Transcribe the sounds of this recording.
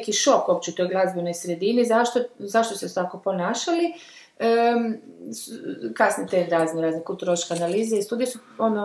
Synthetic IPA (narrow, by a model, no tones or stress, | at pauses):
kiʃo̞kobpt͡ɕeut̪ojɡlˠazbino̞jsɾed̪inizaʃt̪ozaʃt̪oset̪akopo̞naːʃali | ə | skasnit̪eɾaːzneɾaːznekult̪uɾolot͡ʃkeanaliːzeist̪uːd̪ijesu | ono